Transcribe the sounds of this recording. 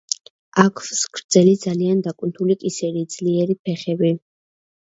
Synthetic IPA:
akʰvsɡʰɾd̪z̥ɛlid̪zaliand̪akʼwnt̪ʰulikʼisɛɾiːd̪z̥liɛɾipʰɛχɛbi

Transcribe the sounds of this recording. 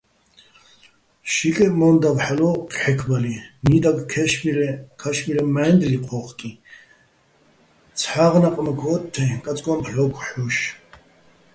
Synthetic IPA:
ʃikʼɛmɔnd̪avħalɔqʰʼħɛkʰbalinid̪akʼkʰɛʃmiɾɛkʰaʃmiɾɛmaːnd̪liqʰɔχkʼi | t͡sʰħaʁnaqʼmɛkʰɔːt̪ʰːɛkʼat͡sʼkʼɔmpʰlɔkʰħuʃ

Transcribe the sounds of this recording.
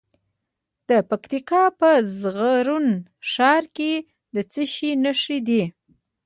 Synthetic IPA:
d̪̥əpakt̪ikɑpəzɣaɾunʃɑɾke | d̪ət͡səʃinəʂid̪i

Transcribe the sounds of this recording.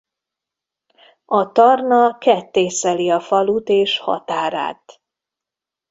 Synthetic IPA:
ɒt̪ɒrnɒkɛt̪ːeːsɛliɒfɒlut̪eːʃhɒ̰t̪aːɾa̰ːt̪

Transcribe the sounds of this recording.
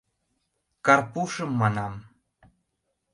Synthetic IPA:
kɑrpuʂəmːɑnɑm

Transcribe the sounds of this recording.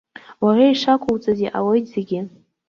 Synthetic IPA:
waʕʷaiʂakʷʰowt͡sʼaziʔa̰wojtz̥eɡʲɪ

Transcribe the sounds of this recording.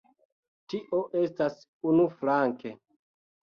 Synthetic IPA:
tiʔo̞ʔe̞stas | unuflaŋke̞

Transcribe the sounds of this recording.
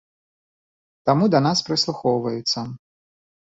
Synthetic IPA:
t̪amud̪ɐnaspɾɨslˠuxɔwvɐjut̪sːɐ

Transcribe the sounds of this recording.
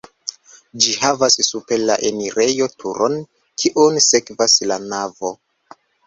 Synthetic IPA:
d͡ʒihavasːupe̞laʔe̞niɾe̞jo̞tʰuɾʔo̞n | kʰiʔonse̞kvaslanavo̞

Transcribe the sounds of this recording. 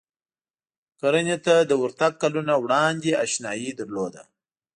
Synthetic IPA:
kaɾənet̪ad̪əwʊɾt̪aɡ̚kalunawɽɑnd̪eaʃnɑjid̪əɾlod̪a̰

